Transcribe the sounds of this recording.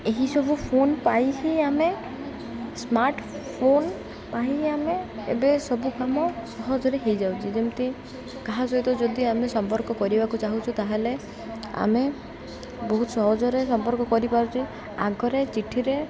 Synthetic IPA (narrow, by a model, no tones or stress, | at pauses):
eɦisɔbupʰonpajɦiame | smaɾʈpʰon | paiɦiameḛbesɔbukamɔsɔɦɔd͡ʒɔɾeɦejd͡ʒawt͡ʃʰid͡ʒemt̪i | kaɦasɔjt̪ɔd͡ʒɔd̪iamesɔmpɔɾkɔkɔɾibakut͡ʃaɦut͡ʃʰut̪aɦele | a̰me | bɔɦut̪ɔsɔɦɔd͡ʒɔɾesɔmpɔɾkɔkɔɾipaɾut͡ʃʰi | a̰ɡɔɾet͡ʃiʈʰiɾe